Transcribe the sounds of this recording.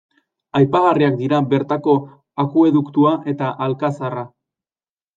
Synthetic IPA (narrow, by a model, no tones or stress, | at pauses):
ajpaɣariak̚d̪iɾabe̞ɾt̪ako̞ | akue̞ðukt̪uaʔe̞t̪aʔalkasara